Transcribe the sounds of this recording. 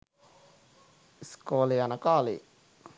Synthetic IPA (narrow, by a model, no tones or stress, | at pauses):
skolianakɑlḭ